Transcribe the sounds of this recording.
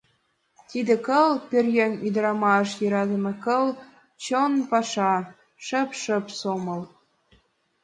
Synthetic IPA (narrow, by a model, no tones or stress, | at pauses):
t̪id̪ĕkɤ̆lpʲerʲjenʲyd̪ɤ̆ɾɑmɑəʃjɤɾɑd̪ə̆mɤ̆kɤ̆lˠ | t͡ɕonpɑʃɑ | ʃə̆pʃə̆psomɤ̆l